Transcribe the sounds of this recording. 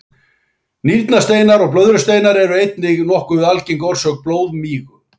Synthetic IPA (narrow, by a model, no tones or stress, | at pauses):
niɾt̪nast̪eːjnaɾɔɣplœðɾʏst̪eːjnaɾɛɾʏejt̪nɪɣnɔhkʏɪðalcɪŋkɔɾ̥sœk̚ploːwðmiːɣʏ